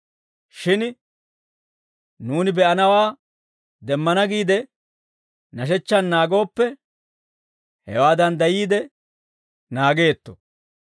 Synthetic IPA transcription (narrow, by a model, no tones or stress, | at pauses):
ʃɪn | nuːnɪbɛʔɐnɐwaː | d̪ɛmːɐnɐɡiːd̪ɛ | nɐʃ̬ɛt͡ʃːɐnːaːɡo̞ːpːɛ | hɛ̰waːd̪ɐnd̪ɐjiːd̪ɛ | naːɡe̞ːt̪ːɔ̥